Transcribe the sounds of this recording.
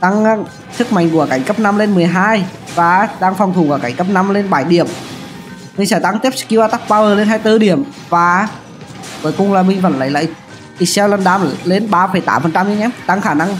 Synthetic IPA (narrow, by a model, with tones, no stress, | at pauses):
t̪a˧ŋ˦ | sɨ˦˥k̚ma̰˧˨jŋ̟ku˧˩əka˧˩jŋ̟kə˦˥p̚na˧mle˧nmɨ˨˩əjɦaː˧j | vaː˨˩˦ɗaː˧ŋfɔ˨˩wt̪ʰu˨˩va˧˩ka˧˩ŋ̟kə˦˥p̚na˧mle˧nɓaː˧˩jɗi˧˩əm | mï̟˧sɛː˧˩t̪a˨˦ŋt̪i˦˥p̚kːi˧waː˧t̪a˦˥p̚ɓaː˧vəː˨˩le˧nɦaː˧jt̪ɨ˧ɗi˧˩əm | vaː˨˩ | ko˨˦jkʊ˨˩ŋ͡mlaː˨˩ɓï˧ŋ̟və̰˧˨nla̰ː˧˨jla̰ː˧˨j | t̪i˨˩sɛ˧wlə˧nɗaː˧mle˧nɓaː˧fə˨˧˩jt̪aː˨˦mfə˨nt͡ɕa˧mzi˧˦ɲɛː˧˦mt̪a˧ŋxaː˧˩na˧ŋ